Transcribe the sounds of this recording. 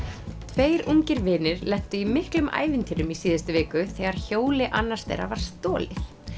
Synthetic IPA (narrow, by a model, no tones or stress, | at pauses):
t̪ʰveːjɾuŋcɪɾvɪːnɪɾlɛht̪ʏimɪhklʏma̰ːjvɪnt̪ʰiɾʏmisiːðɪst̪ʏvɛːkʏθɛɣaɾ̥çoːwlɪʔanːḁst̪ḛjɾa̰vaɾ̥st̪ɔːlɪθ